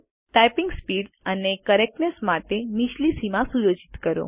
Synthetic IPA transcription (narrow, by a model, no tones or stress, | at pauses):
ʈajpiŋɡspiɽ | ənekəɾek̚nesmaʈemiʃlisimãsujod͡ʒit̪kəɾo̰